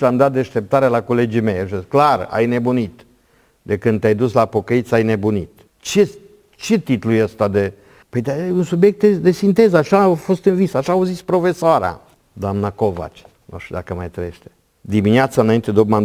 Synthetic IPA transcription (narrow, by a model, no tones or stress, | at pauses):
lamd̪at̪̚d̪eʃt̪e̞p̚t̪aɾelako̞le̞d͡ʒime̞jaʃesklara̰jne̞bunit̪ | d̪e̞kɨnd̪t̪ʲajd̪uslapo̞kəit̪sajne̞bunit̪ | t͡ʃe | t͡ʃe̞t̪it̪lujəst̪ad̪e̞ | pəjd̪eunsubjek̚t̪̚d̪ed̪e̞sint̪e̞zəaʃafo̞st̪ɨnvisaʃaːuzispɾo̞fe̞soaɾa̰ | d̪oamnakova̰t͡ʃ | no̰ʃid̪akəmajt̪ɾeeʃt̪e̥ | d̪iminiat̪saɨnaint̪e̞d̪eokma